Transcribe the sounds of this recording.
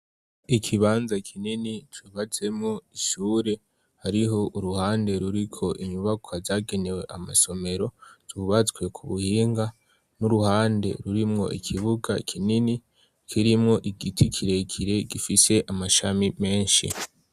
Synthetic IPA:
ikʰiβaːnzakʰininit͡ʃuːβat͡se̞mŋoiʃuːɾe̞ | haɾiɦo̞ʔuɾuhaːnde̞ɾuɾikʰo̞ʔiɲuβakʰoazaːɡe̞ne̞we̞ʔamaso̞me̞ɾo̞z̥uβat͡swe̞kʰuβuhiːŋɡa | nuɾuhaːnde̞̰ɾuɾimŋo̞̰ʔḭkʰiβuɡa̰kʰinini | kʰiɾimŋo̞ʔiɡitʰikʰiɾe̞kʰiɾe̞ɡifise̞ʔamaʃamime̞ːnʃḭ

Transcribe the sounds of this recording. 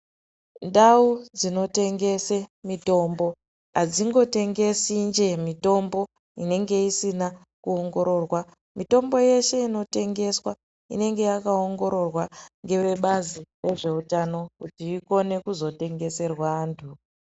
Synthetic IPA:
ndaud͡zino̞te̞ŋɡe̞semito̞mbo̞ | ɦad͡ziŋɡo̞te̞ŋɡe̞sind͡ʒe̞mito̞mbo̞ | ḭne̞ŋɡe̞isina | kuoŋɡo̞ɾo̞rwa | mito̞mbo̞je̞ʃe̞ino̞te̞ŋɡe̞swa | ḭne̞ŋɡe̞jakaoŋɡo̞ɾo̞rwaŋɡe̞ʋe̞ɓazire̞ʐe̞utano̞kutiːko̞ne̞kuzo̞te̞ŋɡe̞se̞rwantʰu

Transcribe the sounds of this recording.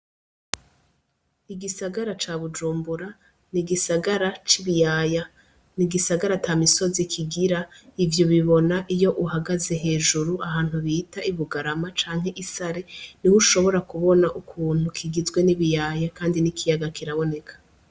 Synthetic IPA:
iɡisaɡaɾat͡ʃaːβud͡ʒuːmbuɾa | niɡisaɡaɾat͡ʃiβijaja | niɡisaɡaɾatʰamiso̞zikʰiɡiɾaivjoβiβo̞naʔijo̞ʔuɦaɡaze̞ɦe̞ːʒuɾuʔaɦaːn̥huβiːtaʔiβuɡaɾamat͡ʃaːŋ̥ɦe̞ʔisaɾe̞niwuʃo̞βo̞ɾakuβo̞naʔukʰuːnhukʰiɡizɡwe̞niβijaːjakaːndinikʰijaɡakiɾaβo̞ne̞kʰḁ

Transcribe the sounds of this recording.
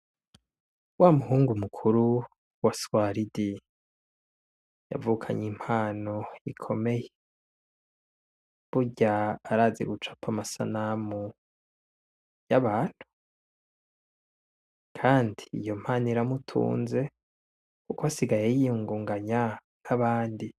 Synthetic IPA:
waːmuɦuːŋɡumukʰuɾu | waswaɾidi | ja̰vukʰaɲim̥haːno̞ikʰo̞me̞je | βuɟaːɾaːzḛɡut͡ʃḁpʰamasa̰namu | jaβaːn̥hu̥ | kʰaːndiḭjo̞m̥haːniɾamutʰṵːnze̞ | kukoasiɡajejijuːŋɡuːŋɡaɲa | naβaːndi

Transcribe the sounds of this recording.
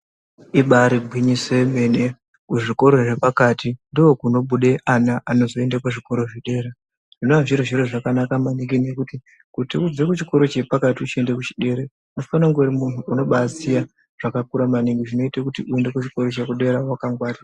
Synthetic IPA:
iɓaɾiɡʱwiɲiseme̞ne | kuʐiko̞ɾo̞ʐe̞pakatindiokuno̞ɓuɗe̞ʔanaʔano̞zo̞e̞ndakaʐiko̞ɾo̞ʐiɗe̞ːɾa | ʐ̥ino̞aʐiɾiʐiɾoʐakanakamaniŋɡine̞kuti | kutiud͡zekut͡ʃiko̞ɾo̞t͡ʃe̞pakatiut͡ʃie̞ndekut͡ʃi̥ɗe̞ɾe | unofanaŋɡoɾimun̤uuno̞ɓazia | ʐ̥akakuɾamaniŋɡiʐino̞itekutiue̞ndekut͡ʃiko̞ɾot͡ʃekuɗe̞ɾawakaŋɡwaːria

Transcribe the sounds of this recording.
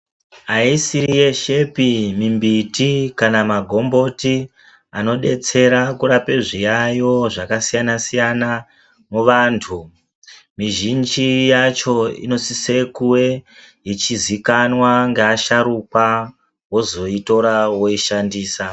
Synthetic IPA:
aisiɾije̞ʃe̞pimimbitikanamaɡʱo̞mbo̞ti | ano̞ɗe̞t͡se̞ɾakuɾapeʐijajo̞ʐakasijanasijana | muʋaːntʰu | miʒind͡ʒijat͡ʃo̞ḭno̞sise̞kuwe | jit͡ʃizikanwaŋɡeaʃaɾuka | wo̞zo̞ito̞ɾawo̞iʃandiːsa

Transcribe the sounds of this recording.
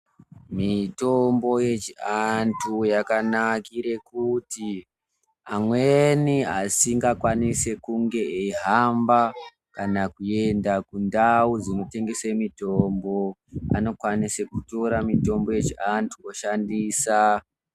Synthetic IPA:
mito̞mbo̞je̞t͡ʃiantʰujakanakiɾe̞kuti | amweniasiŋɡakwanise̞kuŋɡe̞eɦamba | kanakue̞ndakundauzino̞te̞ŋɡe̞semito̞mbo̞a̰no̞kwanise̞kuto̞ɾamito̞mbo̞je̞t͡ʃiantʰuoʃandiːsa

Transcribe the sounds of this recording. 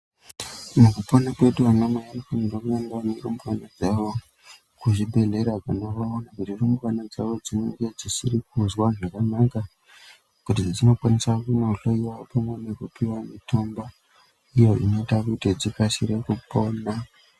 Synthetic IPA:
mukuponakwe̞ɗuanamaanikonindokueŋɡeaniromukanad͡zaʋo̞ | kuʐibʱe̞ɮe̞ɾakanoʋaonakutiromukanad͡zaʋo̞d͡zineŋɡed͡zisirik̚uzwaʐakanaka | kutid͡zino̞kwanisakunouɬoiwaopamwenekupiwamitomba | ijo̞ḭnoitakutid͡zikasiɾekupo̞na

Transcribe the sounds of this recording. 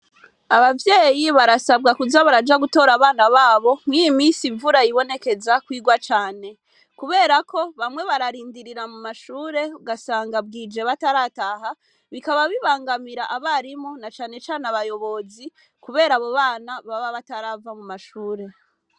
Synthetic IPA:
aβavje̞ːjiβaɾasabɡakuzaβaɾad͡ʒaɡuto̞ːɾaβaːnaβaːβo̞m̥wijimiːnsiɱvuɾajiβo̞ne̞ke̞zakwiːɡwat͡ʃaːne̞ | kuβe̞ːɾakʰo̞βamŋwe̞βaɾaɾiːndiɾiɾamumaʃuːɾe̞uɡasaːŋɡab̚ɡiːd͡ʒe̞βataɾaːtaːɦa | βikaβaβiβaːŋɡamiɾaʔaβaɾimonat͡ʃaːne̞t͡ʃaːnaβajo̞βo̞zi | kuβe̞ːɾaːβo̞βaːnaβaβaβataɾavamumaʃuːɾe̞

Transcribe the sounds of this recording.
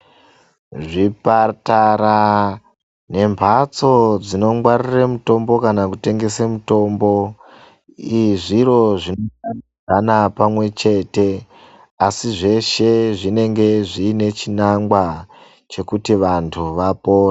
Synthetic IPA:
ʐipataɾa | ne̞mpat͡so̞d͡zino̞ŋwariremuto̞mbo̞kanakute̞ŋɡe̞semuto̞mbo̞ | iʐiɾo̞ʐinoani | anapamwe̞t͡ʃe̞ːte̞ | asiʐe̞ʃe̞ʐine̞ŋɡe̞ʐiːne̞t͡ʃinaŋɡwa | t͡ʃe̞kutiʋantʰuʋapo̞ːra

